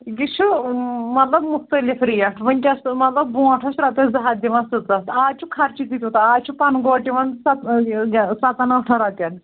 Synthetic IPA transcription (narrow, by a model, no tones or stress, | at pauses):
ɡit͡ʃʰumɐt̪lɐbmʊxt̪ɐlifɾijɐʈʰʋɐnʲkʲɐsmɐt̪lɐbːũɐʈʰɐʃɾɐt̪ɐzɐɦad̪iʋɐ̃nsut̪ɐt̪aːt͡ʃʰukʰɐɾt͡ʃit̪it̪ut̪aaːt͡ʃʰupɐnɡoːʈiʋɐnd̪sɐt̪ | sɐt̪ɐnɐʈʰɐɾɐt̪ɐn